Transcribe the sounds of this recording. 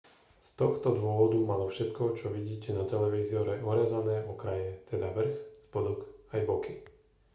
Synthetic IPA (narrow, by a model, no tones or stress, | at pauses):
st̪ɔxt̪ɔd̪ʋʊɔʋɔd̪umalɔfʃɛt̪kɔt͡ʃɔʋiɟiːcɛnat̪ɛlɛʋiːziɔɾɛɔɾɛzanɛːʔɔkɾajɛt̪ʰɛd̪aʋr̩xspɔd̪ɔkajbɔki